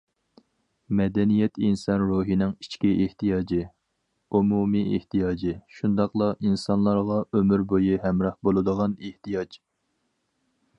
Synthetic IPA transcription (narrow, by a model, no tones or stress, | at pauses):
mɛd̪ɛnijɛt̪ʰinsɑnɾuːɦinɪŋi̥t͡ʃkʲiʔeht̪ijɑːd͡ʒɪ | umumiḛht̪ijɑːd͡ʒɪʃund̪ɑqlˠɑʔinsɑnlˠɑɾʁɑʔømyɾbojiɦɛmɾɑhbolˠɨd̪əʁɑneht̪ijɑd͡ʒ